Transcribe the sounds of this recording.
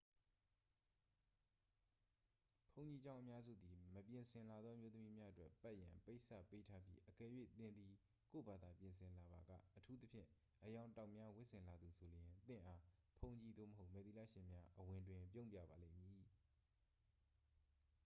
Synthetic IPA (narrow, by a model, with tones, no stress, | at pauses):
pʰõ˨ʊ̃ɲt͡ɕi˨d͡ʑã˦ʊ̃ʔəmja˦zṵ˦˨d̪i˨məpjɪ̃˨nsʰɪ̃˨nla˨d̪ðɔ˦ʔəmjo˦t̪əmi˦mja˦ʔətwɛ˦pɛ˦ʔjã̰˨pe˦ɪʔsa˦˨pe˦tʰa˦bjḭ˦ʔəkɛ˨jwḛ˦˨t̪ɪ̃˨nd̪i˨ | ko̰˦˨ba˨d̪a˨pjɪ̃˨nsʰɪ̃˨la˨ba˨ɡä̰˦˨ʔətʰu˦t̪ə˦pʰjɪ̰̃˦˨ | ʔəjã˨ʊ̃ntã˨ʊʔmja˦wɪ˦ʔsɪ̃˨nla˨d̪u˨sʰo˨ljɪ̃˨nt̪ɪ̰̃˦˨ʔa˦pʰõ˦ʊ̃ɲt͡ɕi˨d̪o̰˦˨məɦo˦ʊʔmɛ˨t̪i˨la̰˦˨ʃɪ̃˨mja˦ʔəwɪ̃˨ndwɪ̃˨pjõ˦˨pja̰˦˨ba˨lḛ˦˨mji˨